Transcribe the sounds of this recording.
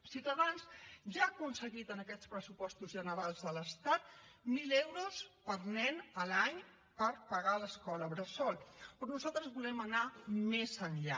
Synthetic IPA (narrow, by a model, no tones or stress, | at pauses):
sit̪əðansʒaːkunsəɣit̪ənəkɛt͡spɾəsupɔst̪uzʒənəɾalˠzðələst̪at̪̚milewɾuspəɾnɛnəlaɲ | pəɾpəɣaləskɔləβɾəsɔlˠpɾɔnuzalˠt̪ɾəzβulɛmənamezənʎa̰